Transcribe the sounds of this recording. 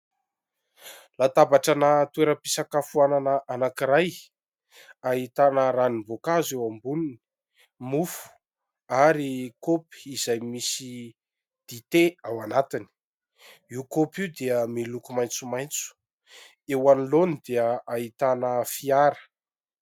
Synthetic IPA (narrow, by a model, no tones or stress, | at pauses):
lat̪abaʈ͡ʂanat̪ueɾəpisakafuananəʔanakiɾaj | aɦit̪anəɾanivokazewambunini̥ | mufu̥ | aɾikopi̥izajmisi | d̪̥it̪eawanat̪ini̥ | iwkopid̪eəmilukumajnt͡sumajnt͡su̥ | ewanilonid̪eəait̪anəfiaɾə̥